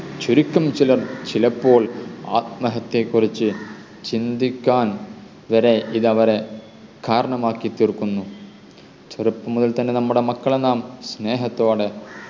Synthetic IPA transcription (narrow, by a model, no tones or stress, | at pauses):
t͡ɕuɾikʲːɐmt͡ɕilɐrt͡ɕilɐpːo̞ːɭa̰ːt̪̚mɐɦɐt̪ːe̞kːurit͡ɕːɨ | t͡ɕind̪ikʲːaːn | ʋɐɾe̞ʔiðɐʋɐɾe | kaːɾɐɳɐmaːkːit̪ːirkːunːu | t͡ɕɐɾɐpːɐmuðɐlt̪ɐnːe̞nɐmːuɽe̞mɐkːɐɭenːaːmsne̞ːɦɐt̪ːoːɽe̞